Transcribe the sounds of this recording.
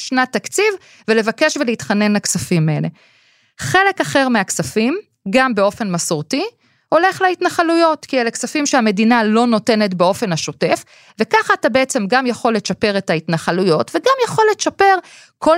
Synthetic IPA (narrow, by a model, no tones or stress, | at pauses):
ʃnatakt͡siv | vele̞vake̞ʃveleitχane̞nlaksafimele | χe̞le̞kaχeʁmeaksafim | ɡambeo̞fe̞nmasuʁti | ho̞le̞χleitnaχalujo̞tkieleksafimʃeame̞dinalo̞no̞te̞ne̞tbeo̞fe̞naʃo̞te̞f | ve̞kaχaːtabeet͡se̞mɡamjaχo̞lːe̞ʃape̞ʁe̞taitnaχalujo̞tveɡamjaχo̞lːeʃape̞ʁ | kʰo